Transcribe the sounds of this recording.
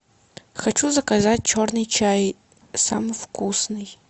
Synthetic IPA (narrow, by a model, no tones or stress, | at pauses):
xɐt͡ʃʰuzɐkɐzat̚ʲt͡ʃʰornɨjt͡ʃʰaj | samɨfkʰusnɨj